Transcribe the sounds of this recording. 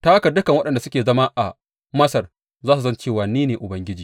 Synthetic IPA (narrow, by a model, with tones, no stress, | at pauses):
ta˦a˦kɐ˨dʊ˦kɐ˨ŋwɐ˦ɗɐ˨nda˨sʊ˦kʲeː˨zɐ˦maː˦ʔa˨ | mɐ˦sɐ˨r | zaː˦su˨sɐ˦nt͡ʃeː˦˨waː˨niː˦neː˨ʔʊ˨bɐ˦ŋɡʲɪ˦d͡ʒiː˨